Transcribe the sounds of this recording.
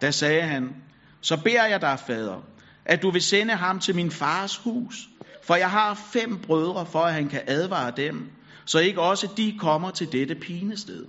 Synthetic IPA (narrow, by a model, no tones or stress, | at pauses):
d̥æsɛːɦæn | sɒ̽b̥e̝ɐ̰jɑ̈ɪd̥ɑ̈ɪfɛːð̞ˠʁɐ | ʔæd̥uʋe̝senəɦɑ̈mt͡sʰe̝lminfɑ̈ːshṵːsfɒ̽jɑ̈ɪɦɑ̈ːfem̰b̥ʁœð̞ˠʁɐfɒ̽æɦænkʰæʔæð̞ˠʋɑ̰̈ːd̥em | sɒ̽e̝ɡ̥əɒ̽səd̥ikʰɒ̽m̰ɐt͡sʰe̝ld̥ed̥əpʰiːnəsd̥eð̞̰ˠ